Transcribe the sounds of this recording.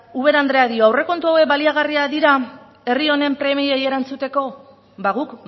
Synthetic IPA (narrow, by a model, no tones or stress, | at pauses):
uβ̞e̞ɾand̪ɾe̞aðio̞awre̞ko̞nt̪uawe̞k̚baliaɣariaðiɾa | e̞rio̞ne̞mpɾe̞mieje̞ɾant͡sut̪e̞ko̞ | baɣuk